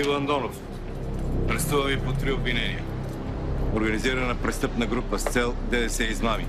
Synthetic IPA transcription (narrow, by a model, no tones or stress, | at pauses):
ilˠɐnd̪ɔnof | ɾɛst̪uvɐvipot̪ɾiobvinɛniə | oɾɡɐniziɾɐnɐpɾɛst̪ɤpnɐɡɾupəst̪sɛlˠd̪ɛd̪ɛsɛiznavi